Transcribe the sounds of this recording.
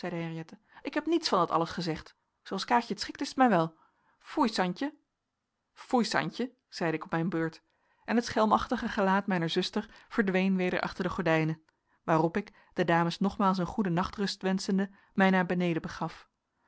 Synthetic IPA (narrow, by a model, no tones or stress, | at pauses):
z̥ɛjdəɦɛrijɛtə | ɪkɦɛpnitsfɑndɑtɑ̰ləsχəzɛχt | zowɑlˠskaːcətsχɪktɪsətmɛjʋɛlˠ | fujsɑɲcə | fujsɑ̰ɲcə | z̥ɛjdəɪkɔpmɛjnbøːɹt | ʔɛnɦətsχɛlˠmɑχtəχəχəlaːtmɛjnəɹzɵstəɹv̥əɹdʋejnʋejdə̰ɹʔɑ̰χtəɹdəχɔɹdɛjnə | ʋaːrɔpɪk | d̥ədaːməsnɔχmaːlˠs̬ənχudənɑχtrɵstʋɛnsəndə | mɛjnaːɹbənejdəbəχɑf